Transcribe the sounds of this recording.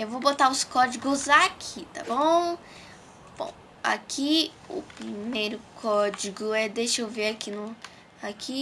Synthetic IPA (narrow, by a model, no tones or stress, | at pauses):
ewvobot̪aʊskɔd͡ʒiɡʊzakʰit̪a̰bõw̃ | b̥õ̰ | a̰kʰi | ʊ̰pɾimejɾʊkʰɔd͡ʒiɡʊɛd̪eʃewveɾakinʊ | akʰi